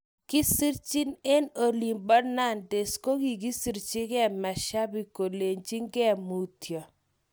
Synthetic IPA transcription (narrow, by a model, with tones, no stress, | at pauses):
kɪ˦si˦ɾt͡ʃi˦ne˦no˨li˨mbɔ˦na˦˨nde˨sko˦ɡi˨ɡi˦si˨ɾt͡ʃɪ˦kɛ˦˨ma˨ʃa˦bi˨ko˨le˨ɲt͡ʃi˦ŋɡɛ˦˨mu˨tjɔ˨